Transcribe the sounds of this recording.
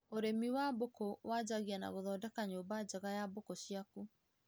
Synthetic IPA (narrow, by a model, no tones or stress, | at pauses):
oɾemiwaːbokɔwʔaːd͡ʑaɣiana̰ɣoðɔːdakaɲoːbad͡ʑaɣajabokoɕiaku